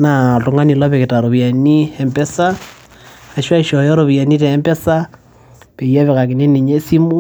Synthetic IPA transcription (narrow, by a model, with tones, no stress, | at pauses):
na˨to˨ŋa˦ni˨la˦βe˨ke˨ta˨ɾo˨βja˨ni˦e˨mpe˦sa˦ | a˨ʃwa˦iʃo˨jɔ˦ɾo˨βja˨ni˦teː˨˦mbe˦sa˦ | pe˨ja˦βe˨ka˨ki˨ne˦ni˨ɲe˦si˦mu˦